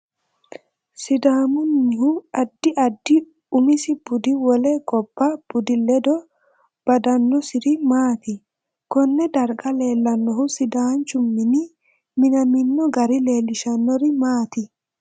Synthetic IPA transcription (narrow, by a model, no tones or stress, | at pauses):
sɪd̪aːmʊnːɪhʊɐd̪ːɪʔɐd̪ːɪ | ʊmɪsɪb̥ʊd̪ɪwɔlɛɡɔb̥ːab̥ʊd̪ɪlɛd̪ɔ | b̥ɐd̪ɐnːɔsɪɾɪmaːt̪ɪ | kɔnːɛd̪ɐɾɡɐle̞ːlːɐnːɔhʊsɪd̪aːnt͡ʃʊmːɪnɪ | mɪnɐmɪnːɔɡɐɾɪle̞ːlɪʃɐnːɔɾɪmaːt̪ɪ